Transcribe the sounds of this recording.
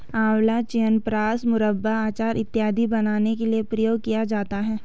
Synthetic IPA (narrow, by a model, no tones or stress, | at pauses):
ãːwlat͡ʃijənpɾaːsmʊɾəbːaaːt͡ʃaːɾʔɪt̪ːjaːd̪ʱibɐnaːnekeliepɾɐjoːɡ̚kijad͡ʒaːt̪aɦɛː